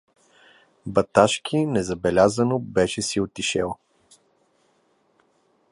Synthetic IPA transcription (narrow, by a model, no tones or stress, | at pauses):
bɐt̪aʃkʰʲinɛzɐbɛlʲazənobɛʃɛsiot̪iʃɛlˠ